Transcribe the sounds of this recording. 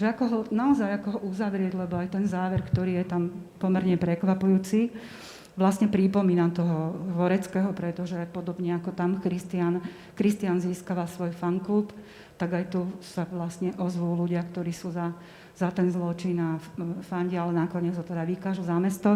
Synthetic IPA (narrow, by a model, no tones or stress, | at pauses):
ʒɛakɔɦɔnaɔzajakɔɦɔuzaʋɾɪɛɟlɛbɔajt̪ɛnzaːʋɛɾkt̪ɔɾiːjɛt̪ampɔmɛɾɲɛpɾɛkʋapujuːt͡si | ʋlasɲɛpɾipɔmiːnamt̪ɔɦɔɦʋɔɾɛt͡skɛɦɔpɾɛt̪ɔʒɛpɔd̪ɔbɲɛakɔt̪amkɾist̪ian | kɾist̪ianziːskaʋasʋɔjfaŋkult̪ | t̪aɡajt̪usaʋlasɲɛʔɔzʋuːluɟɪakt̪ɔɾiːsuːza | z̥at̪ɛnzlɔt͡ʃinafaɲɟɛalɛnakɔɲɛd͡zɦɔt̪ɛd̪aʋikaːʒuzamɛst̪ɔ